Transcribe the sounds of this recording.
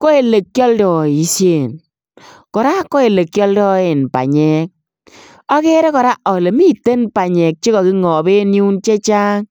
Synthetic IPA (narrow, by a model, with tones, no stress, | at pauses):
ko˦e˨le˨kjɔ˦ldɔ˨i˨sje˨n | kɔ˨ɾa˦ko˦e˨le˨kjɔ˦ldɔ˦e˨npa̰˨ɲɛ˦k̚ | ɔ˦ke˦ɾɛ˦kɔ˨ɾa˦ʔɔ˨le˨mi˦te˦npa˨ɲɛ˨k̚t͡ʃi˦kɔ˨ki˦ŋɔ˨be˦ni˦u˦nt͡ʃe˦t͡ʃaː˦ŋ